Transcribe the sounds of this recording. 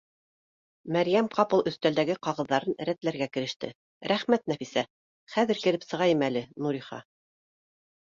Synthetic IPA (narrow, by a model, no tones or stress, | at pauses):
mæɾjæmqɑpɤlˠɵ̆θt̪æld̪æɡɘqɑʁɤ̆ðːɑɾɤn̆ɾæt̪læɾɡækɘ̆ɾɘ̆ʃt̪ɘ̰ | ɾæχmæt̪̚næfisæ | χæðɘ̆ɾkɘ̆lɘpsɤ̆ʁɑjɤmælɘnuɾiχɑ̰